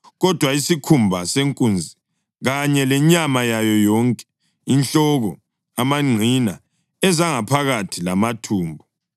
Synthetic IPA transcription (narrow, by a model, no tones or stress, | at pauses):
ɣɔd̥ʱwaisikʰumbʱaseŋkʼund͡zʱi | ɣaɲɛlɛɲamajajɔjɔŋkʼɛ̥ | int͡ɬɔɣɔ | amaŋ͡ǀʱina | ɛzaŋapʰaɣatʰilamatʰuːmbʱɔ